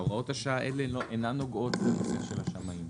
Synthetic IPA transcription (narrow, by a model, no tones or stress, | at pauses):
oʁao̞thaʃaaʔeleoʔenanoɡo̞tlenoseχʃelaʃamaim